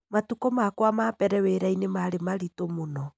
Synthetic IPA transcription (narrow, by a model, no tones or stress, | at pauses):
matukɔmakwamapɛɾɛweɾainemaɾemaɾitomonɔ